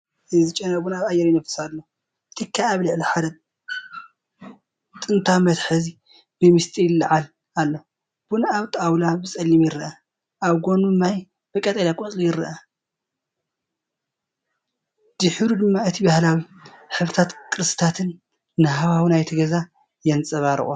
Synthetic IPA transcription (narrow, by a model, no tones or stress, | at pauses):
ɨzɨt͡ʃʼːɐnɐbunaβajːɛɾjnɐfɨ̥sadːo | ɨt̪ʰikʰːaaβlɨʕliħad̪ɐ | t̪ʼɨnt̪ʰamɐt̪ħɨzi | b̥ɨmɨst̪ʼijlːɐʕal | alːo | b̥unaβt̪ʼawlabɨsʼɐlːimjɪɾɨʔa | ʔaβɡo̞nuɨmːaj | b̥ɨkʼːɐt̪ʼɐlakʼot͡sʼijɪɾɐ̰ʔa | d̪ɨħɨβɾud̪ɨmːaɨt̪ʰibahlawiħɨβɾɨt̪ʰat̪kʰʼɨɾɨst̪ʰat̪ʰɨnː | ɨhaβawinajt̪ʰɐɡɐza | jɛnt͡sʼɐβaɾɨ̰ʔʼu